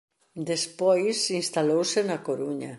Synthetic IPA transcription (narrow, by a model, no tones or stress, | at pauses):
d̪espojsinst̪alowsenakoɾuɲa